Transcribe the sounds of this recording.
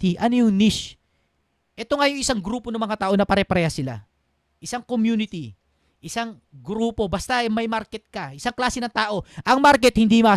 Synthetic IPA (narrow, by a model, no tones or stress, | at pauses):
t̪iʔɐnojʊŋniʃ | ʔɛt̪oŋɐjoŋʔɪsaŋɡɾuːponɐmɐŋat̪aːʔo̞nɐpɐɾɛpɾɛhɐsɪla̰ | ʔɪsaŋkomjuːnɪt̪i | ʔɪsaŋ | ɡɾuːpo̞bɐst̪amɐjmaɾkɛt̪̚kɐʔɪsaŋklaːsɛnɐŋt̪aːʔo̞ʔɐŋmaɾk̬ɛt̪̚hɪnd̪imɐ